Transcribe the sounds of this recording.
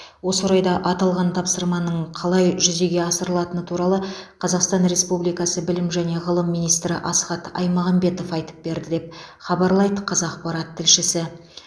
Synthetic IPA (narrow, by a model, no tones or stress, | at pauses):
wo̞səwoɾɑjd̪ɑʔɑt̪ɑlˠʁɑnt̪ʰɑpsəɾmɑnəɴqʰɑlˠɑjʒʏze̞ɡʲe̞ɑsəɾəlˠɑt̪ənət̪ʰuɾɑlˠəqʰɑzɑqst̪ɑnɾe̞spublijkɑsəbɪlɪmʒæne̞ʁəlˠəmːijnijst̪ɾɪʔɑsχɑt̪ɑ̰jmɑʁɑmbe̞t̪o̞fɑjt̪ə̥p̚be̞ɾd̪ɪd̪e̞p̚χɑbɑɾlˠɑjd̪əqʰɑzɑqpɑɾɑt̪ʰːɪlʃɪsɪ